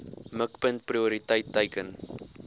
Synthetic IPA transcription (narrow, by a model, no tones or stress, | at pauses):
məkpənt̚priuɾitəjtːəjkən